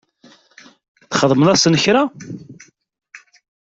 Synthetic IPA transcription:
θχəðˤmənæsənəçɾa

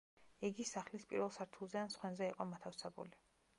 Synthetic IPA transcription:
ɛɡisaχlispʼḭɾwɛlˠsaɾt̪ʰulˠzɛansχwɛnzɛiqʼɔmat̪ʰafsʰɛbṵli

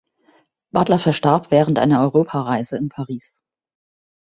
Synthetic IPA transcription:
b̥atlɐfɛɐʃtaɐpv̥ɛːʁəntʔa̰ɪnɐɔʏʁoːpʰaʁaɪzəɪnpʰaʁiːs

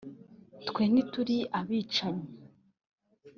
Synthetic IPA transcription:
tkweːnituɾiʔaβiːt͡ʃaɲe

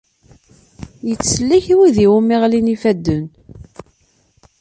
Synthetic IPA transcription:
jət͡sːəlːiçiwiðiwumːiʁlinifæd̪ːən

